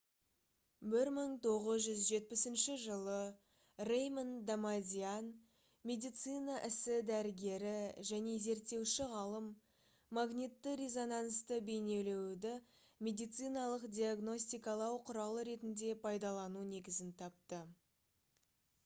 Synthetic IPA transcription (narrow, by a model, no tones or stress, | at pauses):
bɪɾməɴt̪ʰo̞ʁəzʒʏzʒe̞t̪̚pɪsɪnʃɪʒəlˠə | rejmənd̪amazʲian | mʲe̞d̪ijt̪sɨjnɑʔɪsɪd̪æɾɪɡʲe̞ɾɪʒæne̞ze̞ɾt̪ːe̞wʃɪʁɑlˠəmː | aɡnit̪ːɪɾezo̞nanst̪əbe̞jne̞le̞wd̪ɪ | mʲe̞d̪ijt̪sɨjnɑlˠəqd̪ʲijaɡno̞s̬ʲt̪ijkɑlˠɑwqʰʊɾɑlˠəɾe̞t̪ɪnd̪e̞pʰɑjd̪ɑlˠɑnune̞ɡʲɪzɪnt̪ʰɑp̚t̪ə